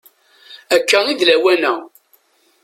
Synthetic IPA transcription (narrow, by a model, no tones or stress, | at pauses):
ækːæiðlæwænæ